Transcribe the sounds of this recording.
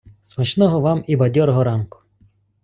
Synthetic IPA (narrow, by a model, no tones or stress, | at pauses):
smɐt͡ʃnɔɦɔʋɑmibɐdʲɔɾɔɦɔɾɑnkʊ̥